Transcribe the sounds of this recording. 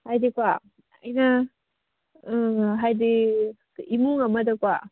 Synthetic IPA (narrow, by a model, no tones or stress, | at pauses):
hajdikwa | ɐ̰jnɐ | ɦajd̪i | imuŋɐmɐdɐkwa